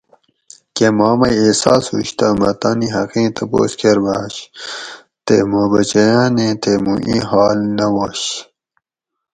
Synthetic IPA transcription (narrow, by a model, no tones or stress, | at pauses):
kemɑːmɐjesɑːsṵɕt̪ɐmɐt̪aːniɦɐqĩːt̪ʰɐpo̰ːskʰeɾbaːɕ | t̪ḛmobɐt͡ɕɐjaːnẽt̪emuʔḭ̃ɦɑːlnɐwoɕ